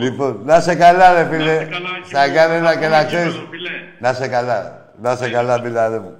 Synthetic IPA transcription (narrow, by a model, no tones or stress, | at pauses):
liponasekalaðefilesaɡaɾelakelat͡ʃensnasekala | nasekalabilaðemu